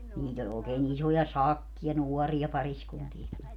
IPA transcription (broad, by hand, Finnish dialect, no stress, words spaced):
niːt olʲ oːkeːn isojɑ sɑkːij̆ɑ nuɔriɑ pɑriskuntiɛki